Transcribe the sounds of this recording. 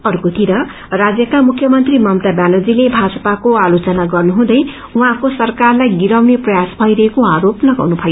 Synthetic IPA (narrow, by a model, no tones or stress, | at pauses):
ʌrkot̪iɾʌ | rad͡zjʌkamukʰjʌmʌnt̪rimʌmt̪abjanod͡zilebʱad͡zʌpakoalot͡sʌnaɡʌrnuɦũd̪ʌj | uɦãkosʌrkarlajɡiɾawneprʌjasbʱʌiɾʌɦekoaɾoplʌɡa̰wnupʰʌjo